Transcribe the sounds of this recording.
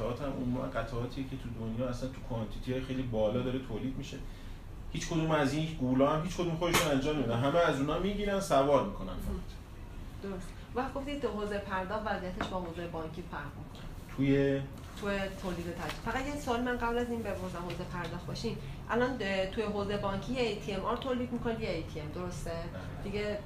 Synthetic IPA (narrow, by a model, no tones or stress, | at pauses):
ɒːt̪ʰæmo̰mumæ̰nɢæt̪ʰɒɒːt̪ʰijecʰet̪ʰud̪onjɒːæsænt̪ʰukʰoɑnt̪ʰit̪ʰiɒjxejlibɒːlɒːd̪ɒːɾet̪ʰoːliːd̪̚miʃe | hiːt͡ʃkʰod̪uːmæziːnɡulɒːhæmhiːt͡ʃkʰod̪umxod̪eʃunænd͡ʒɒːmːed̪od̪ænɦæmeæzuːnɒːmiːɟʲiːɾænd̪sævɒːɾmikʰo̞næ̰nfæt̪ʰ | d̪̥oɾost̪eũvæχd̪̚ɡoft̪id̪ɦozepʰæɾd̪ɒːxt̪væzijæt̪ʰe̞ʃbɒːɦoːzejebɒːŋkʰiːfæɾʁmikʰont̪ʰuje | t̪ʰujet̪ʰoːliːd̪e̞t̪ʰæd͡ʒib̥fæɣæt̪jesɒlimænɢæblæziːnbebhuzæmhoːzepʰæɾd̪ɒːxt̪̚bɒʃim | ʔælɒnt̪ʰujeɦoːzeebɒːŋcʰijeejt̪ʰiemʔɒɾt̪ʰoːliːd̪̚miːkʰo̞ned̪ijeejt̪ʰiemd̪o̞ɾo̞st̪e | d̪̥iɡe